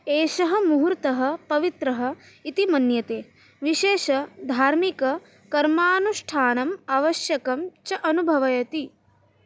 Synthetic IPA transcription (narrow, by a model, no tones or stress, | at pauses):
eːʃɐɦɐ̆muɦuɾt̪ɐɦɐ̆pɐʋit̪ɾɐɦɐ̆ | it̪imɐnjɐt̪eː | ʋiʃeːʃɐd̪ʱaːɾmikɐ | kɐɾmaːnuʂʈʰaːnɐmaʋɐʃjɐkɐmt͡ʃɐʔɐnubʱɐʋɐjɐt̪i